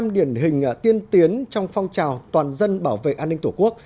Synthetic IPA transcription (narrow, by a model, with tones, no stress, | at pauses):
mɗi˧˩ənɦï˨˩ŋ̟ʔa˧˩t̪i˧ənt̪i˨˦ənt͡ɕɔ˧wŋ͡mfɔ˧wŋ͡mt͡ɕaː˨˩wt̪waː˨˩nzə˧nɓaː˧˩wvḛ˧˨ʔaː˧nːï˧ŋ̟t̪ʰu˧˩ku˦˥ək̚